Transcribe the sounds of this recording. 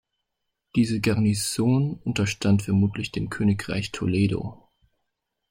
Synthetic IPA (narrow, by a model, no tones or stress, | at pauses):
d̥iːzəɡaɐnizoːnʔʊntɐʃtʰantfɛɐmuːtʰlɪçd̥eːmkʰøːnɪkʁ̥a̰ɪçtʰo̰leːdo̰ː